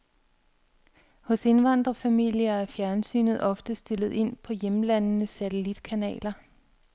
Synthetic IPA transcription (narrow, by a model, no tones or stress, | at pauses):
hɔ̽se̝nʋɑ̈n̰d̥ʁɐfæmil̰jɐæɐfjæɐnsy̰ːnð̞̩ˠɒ̽fd̥əsd̥e̝lð̞̩ˠe̝n̰pʰɒ̽jemlænnəsæt͡sʰelid̥kʰænɛ̰ːlɐ